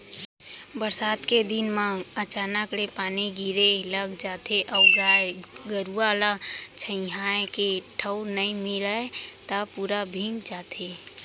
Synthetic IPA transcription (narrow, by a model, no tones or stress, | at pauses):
bəɾsaːt̪ked̪ɪnmãɡət͡ʃaːnəkɽepaːniɡʱiɾeləɡd͡ʒaːt̪ʰeʔəʊd͡ʒaːeɡəɾuaːlat͡ʃʰə̃ɪ̃ɦaẽkeʈʰəʊnəĩmɪləet̪apuːɾabʱɪ̃ŋɡd͡ʒaːt̪ʰe